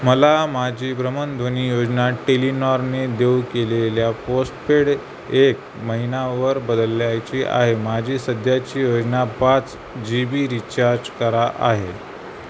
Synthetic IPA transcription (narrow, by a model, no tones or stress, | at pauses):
məlamad͡ʑʱiːbɾəmənd̪ʱoniːjod͡ʑnaʈelinaɾned̪ewkeleljaposʈpeɽ | ek̚ | məɦinaʋəɾbəd̪əlːjajt͡ɕiːʔa̰ɦemad͡ʑʱiːsəd̪ʱjat͡ɕiːjod͡ʑnapat͡s | d͡ʑibiɾit͡ɕaɾd͡ʑkəɾaʔa̰ɦe